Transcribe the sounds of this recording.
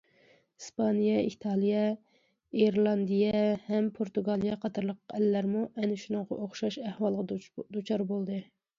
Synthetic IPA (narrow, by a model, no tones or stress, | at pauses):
hispʰɑnijɛit̪ʰɑlˠijɛ | eɾlˠɑnd̪ijɛhɛmpʰoɾt̪uɡɑlˠijɑqʰɑt̪ʰɑɾlˠəqɛlːæɾmuʔɛnɪʃunɨŋʁɑ̰ʔoχʃɑʃæhwɑlˠʁɑd̪ut͡ʃʰɑɾbolˠd̪ɨ